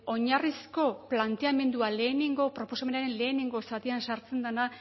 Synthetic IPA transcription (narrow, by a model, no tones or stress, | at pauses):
o̞ɲarisko̞plant̪e̞ame̞nd̪uale̞ːneŋɡo̞pɾo̞po̞same̞naɾe̞nle̞ːneŋɡo̞sat̪iansaɾt͡se̞nd̪ana